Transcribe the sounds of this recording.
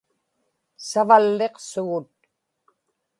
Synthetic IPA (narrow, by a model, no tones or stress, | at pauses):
savalːeqsʊɣʊt̪̚